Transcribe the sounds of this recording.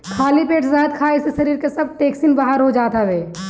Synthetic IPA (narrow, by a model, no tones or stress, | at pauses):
kʰaːlipeːʈzaɦəd̪̚kʰaːɪsisɐɾiːɾkesɐb̚ʈeːksinbaɦaɾɦod͡ʒaːt̪aʋeː